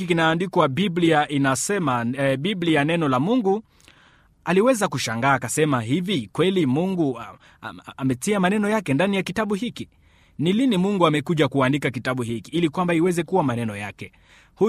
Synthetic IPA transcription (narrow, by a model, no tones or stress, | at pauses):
ikinaːndikwaɓibliaʔinasɛmaɓiblianɛnɔlamuŋɡu | aliwɛzakuʃaŋɡaːkasɛmaɦivikwɛlimuŋɡu | amɛtiamanɛnɔjakɛndanijakitaɓuhiki | nilinimuŋɡuamɛkuʄakuandikakitaɓuhikiilikwambaiwɛzɛkuwamanɛnɔjakɛ | hu